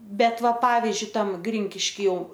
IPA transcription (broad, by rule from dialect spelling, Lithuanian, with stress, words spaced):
ˈbʲɛt ˈʋɐ ˈpɑːʋʲɪzʲd͡ʒʲʊɪ ˈtɐm ˈɡrʲɪŋʲkʲɪʃʲkʲɪ ˈjɛʊ